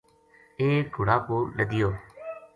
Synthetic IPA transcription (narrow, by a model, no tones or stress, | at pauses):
eːɡʱʊɽaːkoːləd̪ɪjoː